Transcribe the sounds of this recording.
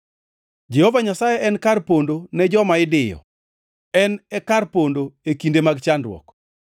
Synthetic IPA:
d͡ʒɛhovaɲasajɛʔɛnkarpondonɛd͡ʒɔmaɪdɪjɔ̰ | ɛnɛkarpondoekindemaɡt͡ʃandwɔ̰k

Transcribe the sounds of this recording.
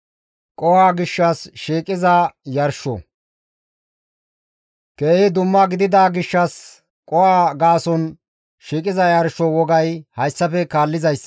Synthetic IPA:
kʼɔhaːɡɪʃːɐsʃiːkʼɪzɐjɐɾʃɔ̰ | keːhɪd̪ʊmːɐɡɪd̪ɪd̪aːɡɪʃːɐs | kʼɔwaːɡaːsɔn | ʃiːkʼɪzɐjɐɾʃɔwɔɡɐjhɐjsːɐpɛkaːlːɪzɐjsː

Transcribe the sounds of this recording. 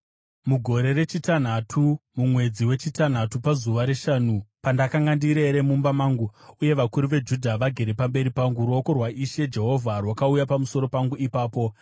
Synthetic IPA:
muɡʱo̞ɾe̞re̞t͡ʃitan̤atʰumumwe̞d͡ziwe̞t͡ʃitan̤atupazuʋaɾe̞ʃanupandakaŋɡandiɾe̞ɾe̞mumbamaːŋɡuuje̞ʋakuɾuʋe̞d͡ʒudʱaʋaɡʱe̞ɾe̞pambe̞ɾipaŋɡuɾuo̞ko̞rwaʔiʃe̞d͡ʒe̞ɦo̞vʱarwakaujapamuso̞ɾo̞paŋɡuipaːpo̞

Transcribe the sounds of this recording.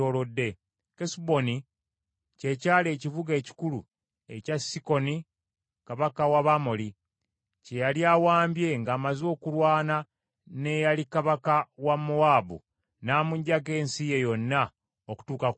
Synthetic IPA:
oːlo̞dːe̞ | kesubo̞ni | ce̞caːle̞ːciβuɡe̞ːci̥kulṵ | e̞̰casiko̞ni | kaβakawaβamoli | ce̞jaljawaːmbje̞ŋɡaːmazo̞ːkulwaːna | ne̞jalikaβakawamːowaːbṵ | naːmuɲɟaɡe̞ːnsije̞jo̞nːa | oku̥tuːka

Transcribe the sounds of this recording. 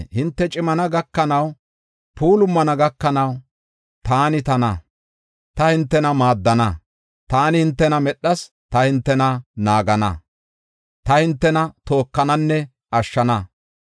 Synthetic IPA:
hɪnt̪ːɛt͡ʃʼɪmɐnɐɡɐkːɐnɐw | pʰuːlʊmːɐnɐɡɐkːɐnɐw | t̪aːnɪt̪ɐnɐ̰ | t̪ɐhɪnt̪ːɛnɐmaːd̪ːɐnɐ | t̪aːnɪhɪnt̪ːɛnɐmɛɗːɐs | t̪ɐhɪnt̪ːɛnɐnaːɡɐnɐ̰ | t̪ɐhɪnt̪ːɛnɐt̪o̞ːkːɐnɐnːɛ | ɐʃːɐnɐ

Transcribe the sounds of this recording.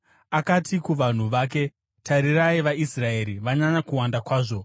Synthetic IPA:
akatikuʋan̤uʋaːk̬e̞ | taɾiraiʋaisrae̞ɾiʋaɲaɲakuwandakwaːʐo̞

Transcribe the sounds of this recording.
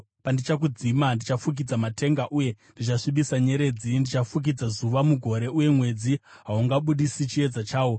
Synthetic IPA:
pandit͡ʃak̬ud͡zimandit͡ʃafuk̬id͡zamate̞ŋɡaʔuːje̞ndit͡ʃaʂiɓisaɲe̞ɾe̞ːd͡zindit͡ʃafuk̬id͡zazuʋamuɡʱo̞ɾe̞ʔuje̞mwe̞d͡zi | ɦauŋɡaɓuɗisit͡ʃie̞d͡zat͡ʃaːwo̞

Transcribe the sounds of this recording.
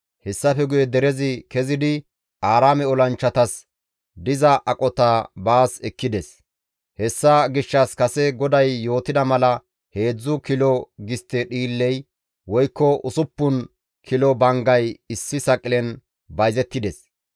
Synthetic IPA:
hɛsːɐfɛɡʊjɛd̪ɛɾɛzɪkɛzɪd̪ɪ | ʔaːɾaːmɛɔlɐnt͡ʃːɐt̪ɐs | d̪ɪzɐʔɐkʼɔt̪abaːsɛkːɪd̪ɛs | hɛsːɐɡɪʃːɐskɐsɛɡɔd̪ɐjːo̞ːt̪ɪd̪ɐmɐlɐ | he̞ːd͡zːʊkɪlɔɡɪst̪ːɛɗiːlːɛj | wɔjkːɔʔʊsʊpːʊn | kʰɪlɔbɐŋɡɐjɪsːɪsɐkʼːɪlɛn | bɐjzɛt̪ːɪd̪ɛs

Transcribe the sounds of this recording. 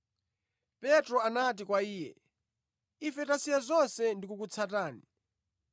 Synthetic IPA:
pɛtɾɔanat̬ikwaiːjɛ̰ | ifɛtasijazɔnsɛndikukut͡sʰataːni

